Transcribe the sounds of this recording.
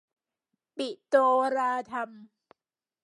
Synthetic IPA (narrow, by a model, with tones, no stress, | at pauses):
pi˨˩ʔt̪oː˧ɾaː˧t̪ʰa˧m